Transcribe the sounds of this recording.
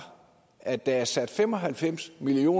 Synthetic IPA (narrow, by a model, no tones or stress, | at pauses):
æ̥d̥ææɐsæd̥femɒ̽ɦælfem̰smilio̝̰ː